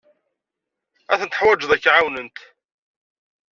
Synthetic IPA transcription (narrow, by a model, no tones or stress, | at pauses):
æθənt̪əħwæd͡ʒðˤækːʕawnənt̪